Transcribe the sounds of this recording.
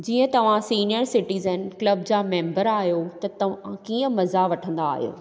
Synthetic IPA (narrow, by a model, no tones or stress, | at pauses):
d͡ʑiːə̃t̪ɐʋ̤ãsiːnijəɾsɪʈiːzənklɐbd͡ʑaːmẽːmbəɾaːɦijoːt̪ɐt̪ɐʋ̤ãkiːə̃mɐzaʋɐʈʰə̃nd̪aaːɦijo̰ː